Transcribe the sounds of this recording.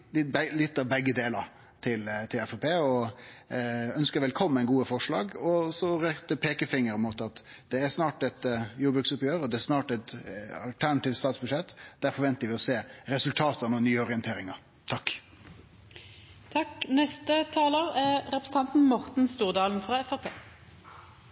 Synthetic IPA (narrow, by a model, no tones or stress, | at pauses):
ɪblɪt̪ːɑʋbɛɡːəd̪eːləɾ | t̪ʰɪlt̪ʰɪlɛfɛpʰeːɔ | œnskəɾʋɛlkʰɔmːəæɪnɡuːəfɔʂlɑːɡɔsɔɾɛd̪ɛpʰeːkəfɪŋːəɾɛmuːt̪ɑt̪ | d̪ɛæsnɑːʈɛt̪juːbɾʉksʊpjøːɾɔd̪ɛæsnɑːʈɛt̪ɑ̰lt̪ʰæɳɑt̪iːft̪st̪ɑːt̪sbʉʂɛt̪ːd̪̥æɾfɔɾʋɛnt̪əɾʋɪɔseːɾɛsʉlt̪ʰɑːt̪əɑnɔnyːəɔɾɪɛnt̪eːɾɪŋɑ | t̪ʰɑkː | t̪ʰɑknɛst̪ət̪ʰɑːloːɾæʁɾɛpɾəsn̩t̪ɑnt̪n̩mɔʁt̪n̩st̪uːʁd̪ɑːln̩fʁɑːɛfæʁpʰeː